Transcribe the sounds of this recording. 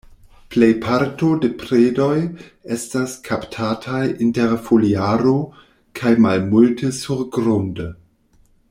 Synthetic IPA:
ple̞jpʰaɾtodepɾedo̞je̞staskʰaptʰatʰajʔinteɾfoliaɾo | kʰajmalmultʰesuɾɡɾunde

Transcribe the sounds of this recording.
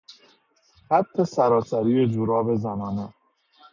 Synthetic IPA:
ɢæt̪ʰːesæɾɒːsæɾiːed͡ʒuɾɒːbe̞zæmɒːne

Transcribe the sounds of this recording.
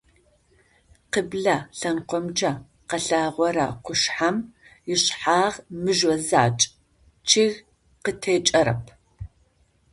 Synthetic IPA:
qəbɮɐɬɐnqʷɔmd͡ʒɐ | qɐɬaːʁʷɔɾa̰qʷʊʃħamjɪɕħaːʁmɨʒɔza̰ːt͡ʃʼ | t͡ʃʰiɣ | qətʰeːt͡ʃʼɐɾɐ̰pʰ

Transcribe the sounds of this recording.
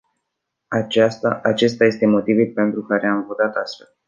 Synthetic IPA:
at͡ʃast̪aat͡ʃe̞st̪aje̞st̪e̞mo̞t̪ivulʲpe̞nt̪ɾukaɾe̞amvot̪at̪ast̪fe̞l

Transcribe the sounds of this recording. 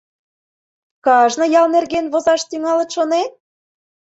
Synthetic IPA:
kɑʒnɤ̆jɑlnerɣenβozɑʃt̪yŋɑlə̆t̪ʃonen̚

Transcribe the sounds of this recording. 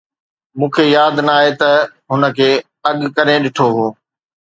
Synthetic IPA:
mũːkʰejaːd̪nəaːɦet̪ɐɦʊnə̆kʰeː | ɐɠkɐɾẽɗɪʈʰoɦoː

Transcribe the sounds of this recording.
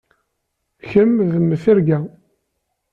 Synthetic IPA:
çəmðəmːθiɾɡæ

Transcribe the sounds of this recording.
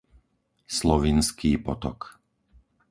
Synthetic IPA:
slɔʋinskiːpɔt̪ɔk

